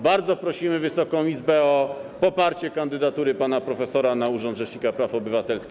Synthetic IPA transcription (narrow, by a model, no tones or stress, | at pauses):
baɾd̪zɔpɾɔɕimɘvɘsɔkɔ̃w̃izbɛɔpɔpaɾt͡ɕɛkand̪ɘd̪at̪uɾɘpanapɾɔfɛsɔɾanauʐɔnd̪ʐɛʂɲikapɾafɔbɘvat̪ɛlskʲi